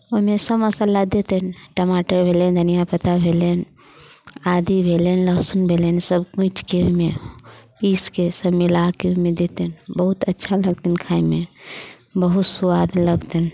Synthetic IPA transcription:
oimesəbəsãlaɡd̪et̪ənʈəmaʈəɾbʱelend̪ʱənijapət̪abʱelen | ad̪ibʱelenləsunbʱelensəbkũt͡ʃkeoɦmepiskesəbmilakeumed̪et̪ənbəɦut̪ətːʃʰaləɡ̚t̪inkʰaime | bəɦut̪suwad̪ləɡt̪in

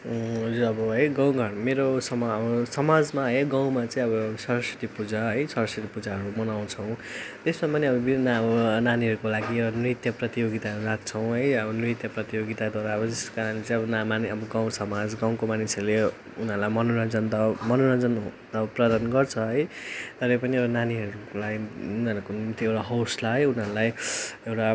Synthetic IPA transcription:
ɦʌd͡zuɾʌbʌɦʌjɡãw̃ɡʱʌɽmeɾosʌmʌbʌsʌmad͡zmaɦʌjɡãw̃mat͡saĩʌbʌsʌɾʌsi̥ʈ̪ipud͡zaɦʌjsʌɾʌsiʈ̪ipud͡zaɦʌɾumʌnaw̃t͡sʰʌw̃t̪esmapʌniʌbʌbinaʌbʌnaniɦʌɾukolaɡiʌʌnrit̪jʌprʌt̪ijoɡit̪aɦʌɾuɾat̪̚t͡sʰʌw̃ɦʌjʌbʌnrit̪jʌprʌt̪ijoɡit̪ad̪waɾaʌbʌd͡zeskaɾanet͡sãj̃ʌbʌnamaniʌbʌɡaw̃sʌmad͡zɡaw̃komanisʌɾule | unʌɾulajmʌnoɾʌnd͡zʌnt̪ʌmʌnoɾʌnd͡zʌnt̪ʌprʌd̪anɡʌrt͡sʰʌɦʌjt̪ʌɾʌpʌniewʈananiɦʌɾulaɡid͡zʌnkonumt̪ʰiewʈaɦʌwslaɦʌjunɦʌɾulajewʈa

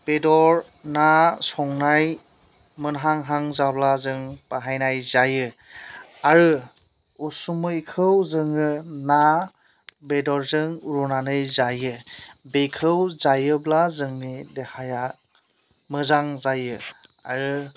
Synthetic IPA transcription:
b̥edɔɾ | nasɔŋnaj | mɯnɦaŋɦaŋzablazɯŋpaɦajnajzajɯ | aɾɯ | usumɯikʰɯwzɯŋɯna | bedɔɾzɯŋuɾɔnanɯjzajɯbekʰɯwzajɯblazɯŋnidehaja | mɯzaŋzajɯa̰ɾɯ

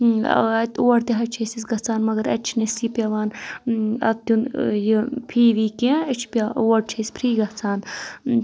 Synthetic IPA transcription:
ɐt̪oːɐɾt̪eɦɐt͡ʃʰesisɡɐt͡sʰaːnmɐɡɐɾɐ̰t͡ʃʰnisipʲjɐʋaːn | ɐ̰t̪unjipʰiːʋiːkẽɪt͡ʃʰpʲaoːɐɽ̚t͡ʃʰeːsʲpʰɾiːɡɐt͡sʰaːn

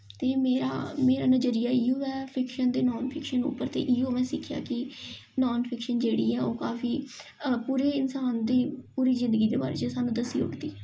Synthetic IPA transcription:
t̪eːmeːɾa̰ːmeːɾaːnəd͡ʒəɾijaːɪːoːɛːpʰɪkʃənd̪eːnɔːnpʰɪkʃənʊ̰pːəɾt̪ḛːʔioːmɛ̃ːsɪkʰja̰ːkɪnɔːnpʰɪkʃənd͡ʒeːɽiːɛːoːkaːfiːpuːɾeːɪnsaːnd̪iːpuːɾiːzɪ̃nd̪əɡiːd̪eːbaːɾḛːt͡ʃəsaːnũːd̪əsiːʊ̰ʈd̪iː

